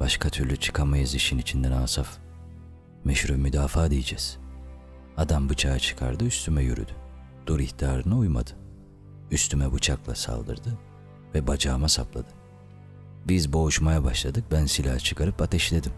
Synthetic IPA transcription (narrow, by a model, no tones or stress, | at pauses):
b̥aʃkʰat̪ʰyɾlʲyt͡ʃʰɯ̥kʰamajɯziʃinit͡ʃʰind̪ɛnaːsaf | mɛʃɾumyd̪aːfaːd̪ijid͡ʒɛz̥ | ad̪ambɯt͡ʃʰaːt͡ʃʰɯ̥kʰa̰ɾd̪ɯyst̪ʰymɛjy̰ɾy̰d̪y | d̪̥uɾiht̪ʰiaːɾɯnɯujma̰d̪ɯ̥ | yst̪ʰymɛbut͡ʃʰaklˠa̰sa̰lˠd̪ɯ̰ɾd̪ɯ | vɛbad͡ʒaːmasaplˠa̰d̪ɯ̥ | bizbo̞uʃmajabaʃlˠad̪ɯk̚bænsilʲaːt͡ʃʰɯ̥kʰaɾɯpat̪ʰɛʃlʲed̪im